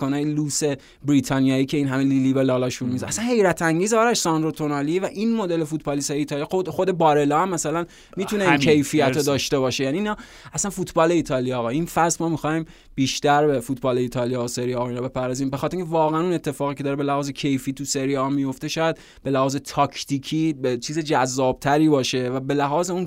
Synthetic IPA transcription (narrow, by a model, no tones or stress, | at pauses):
konɑːjeluːse̞ | bɾiːt̪ʰɒːnijɒːiːcʰe̞iːnɦæmelilibelɒlɒʃuɾumizæsænhe̞jɾæt̪ʰæŋɟiːzɒːɾæʃsɒnd̪ɾot̪ʰonɑlievæʔinmod̪elefut̪̚ʰbɒːlist̪ɒjeiːt̪ʰɒlijɒxod̪e̞bɒːɾelɒːæmːæsælæn | miːt̪ʰuneinkʰejfijæt̪od̪ɒːʃt̪e̞bɒːʃe̞jæniːnɒː | æsænfut̪ʰbɒːle̞iːt̪ʰɒːlijɒːɣɒinfæsmɒːmixɒːjim | b̥iːʃt̪æɾbefut̪ʰbɒːle̞iːt̪ʰɒːlijɒoseɾijɒːɔinɔbe̞pæɾdɒziːmbexɒt̪ɾĩŋcʰʲevɒːɣeænune̞t̪ʰːe̞fɒːɣiːcʰe̞d̪ɒːɾebe̞læhɒːzecʰe̞jfiːt̪ʰuse̞ɾijɒmijo̞ft̪e̞ʃɒːjæd̪̚ | b̥e̞læhɒːze̞t̪ʰɒːkʰt̪ʰiːkʰiːbet͡ʃʰiːzed͡ʒæzːɒːb̥̚t̪ʰæɾiːbɒːʃe̞væbe̞læɦɒːzeun